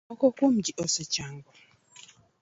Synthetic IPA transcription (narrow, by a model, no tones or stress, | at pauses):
ɔkɔkomd͡ʒiʔɔsɛt͡ʃaŋɡɔ